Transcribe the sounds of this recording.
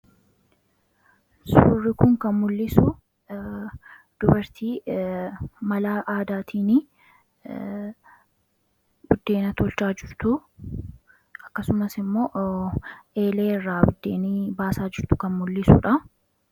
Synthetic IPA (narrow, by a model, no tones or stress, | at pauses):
suːrːɪkʊŋkɐnmʊlːɪsʊ | d̪̥ʊbɐɾt̪iː | mɐlaːʔaːd̪aːt̪ʰiːnɪ | ɡ̥ʊd̪ːe̞ːnɐt̪ɔlt͡ʃaːd͡ʒɪɾt̪ʊ | ɐkːɐsʊmɐsɪmːo̞ːʔ | ʔe̞ːle̞ːrːaːɡʊd̪ːe̞ːnibaːsaːd͡ʒɪɾt̪ʊ̥kɐnmʊlːɪsṵᶑɐ